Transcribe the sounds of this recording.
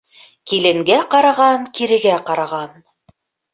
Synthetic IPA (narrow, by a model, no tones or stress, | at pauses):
kilɘ̆ŋɡæqɑɾɑʁɑnkiɾɘ̆ɡæqɑɾɑʁɑn